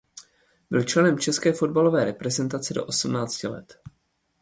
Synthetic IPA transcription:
bɪlt͡ʃlɛnɛmt͡ʃɛskɛːfo̞d̚balo̞vɛːɾɛpɾɛzɛnt̪at͡sɛdo̞̰ʔo̞smnaːt͡scɪlɛ̰t̪

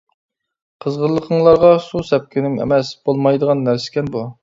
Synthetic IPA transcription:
qʰəzʁəɾlˠːəqʰəɴlˠɑɾʁɑsusɛp̚kʲɪnɪŋḛmɛsb̥olˠmɑjd̪əʁɑnːæɾsɪ̥kʲɛnbu

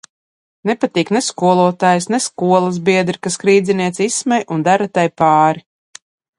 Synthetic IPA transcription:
nepat̪iːkneskuɔlˠuɔt̪aːjsnɛskuɔlˠazbiɛd̪ɾikaskɾiːd̪zʲiniɛt̪sismɛjʔund̪aɾat̪ajpaːɾi

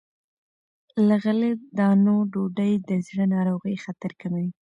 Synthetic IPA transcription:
ləɣəled̪ɑnoɖoɖəjd̪əzɽanɑɾoɣəjxat̪aɾkamawi

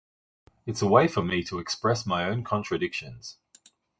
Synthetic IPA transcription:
ɪtsəweɪfəmitʰəɛkspɹɛsmaɪə̃ʊ̃nkʰɒ̃nt͡ʃɹ̥ədɪkʃə̃nz̥

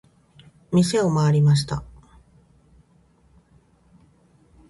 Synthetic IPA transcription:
mʲise̞o̞maːɾʲimaɕ̬i̥t̪a̰

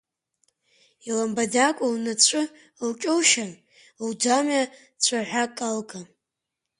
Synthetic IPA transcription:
ilambadakʷʼownat͡ɕʷʰʼʊ | lt͡ʃʲʼowʃan | ldama | t͡ɕʷʰaħʷakʼalkʼa

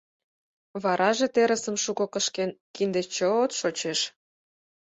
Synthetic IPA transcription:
βɑɾʔɑʒet̪eɾəsə̆mʃukŏkəʃkenkind̪et͡ɕoot̪ʃot͡ɕeʃ

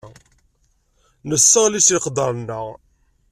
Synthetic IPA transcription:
nəsːəʁlisiqd̪ˤəɾˤnːəʁ

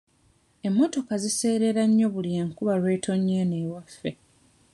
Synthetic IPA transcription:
e̞mːo̞to̞kazise̞ːɾe̞ɾaɲːo̞βuljeːŋkuβalwe̞ːtʰo̞ɲːeːneːwafːe̞

